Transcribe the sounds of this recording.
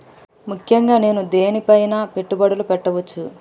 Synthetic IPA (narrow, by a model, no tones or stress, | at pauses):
mukʰjɐŋɡaːne̞ːnud̪e̞ːnipɐjnaːpe̞ʈːubɐɽulupɛʈːɐʋɐt͡ʃːu